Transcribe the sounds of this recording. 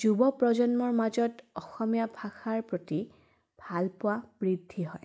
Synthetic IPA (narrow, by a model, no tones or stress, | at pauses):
d͡ʒubɔpɹɔd͡ʒɔnmɔɹmazɔtɔxɔmijabʱaxaɹpɹoti | b̥ʱalpʊwab̥ɹidʱːiɦɔj